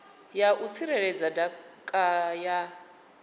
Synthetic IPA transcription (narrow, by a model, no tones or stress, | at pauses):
jaʔut͡sʰiɾɛɾɛd͡zadakʼaja